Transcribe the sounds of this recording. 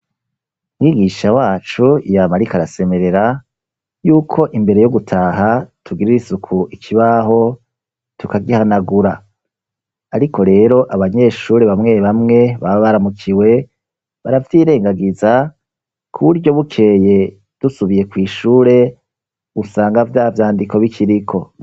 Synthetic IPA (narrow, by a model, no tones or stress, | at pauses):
mŋiːɡiʃawaːt͡ʃujamaɾikaɾase̞me̞ɾe̞ɾa | juːkʰo̞ʔimbe̞ɾe̞jo̞ɡutʰaːɦatʰuɡiɾiɾisukʰuʔikʰiβaɦo̞ | tukaɡihanaɡuɾa | ɾikʰo̞ɾe̞ːɾo̞ʔaβaɲe̞ːʃuːɾe̞βamŋe̞βamŋe̞βaβaβaɾamukʰiwe̞ | βaɾavtiːɾe̞ːŋɡaɡiza | kʰuβuɾɟjo̞βukʰe̞je̞ | d̥usuβije̞kwiːʃuːɾe̞ | usaːŋɡavjaːvjaːndiko̞βikʰiɾikʰo̞